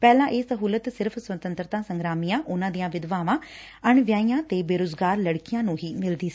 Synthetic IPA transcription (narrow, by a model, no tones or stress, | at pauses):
pɛːlãːʔeːsəɦuːlət̪sɪɾpʰsʋət̪ə̃nt̪ɾət̪ãːsə̃ŋɡɾaːmijãːʔʊnãːd̪ijãːʋɪd̪ʋaːʋãː | əɳʋjaːijãːt̪eːbeːɾoːd͡ʒɡaːɾləɽkɪjãːnũːɦiːmɪld̪iːs